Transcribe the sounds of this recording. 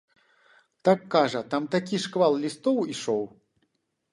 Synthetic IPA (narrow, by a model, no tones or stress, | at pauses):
t̪akːaʐɐt̪amt̪akʲiʂkvalˠlʲist̪ɔwiʂɔw